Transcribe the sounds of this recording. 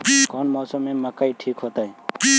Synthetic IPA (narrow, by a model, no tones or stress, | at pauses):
kɔnmɔːsəmːẽməkaiʈʰiːkɦot̪aẽ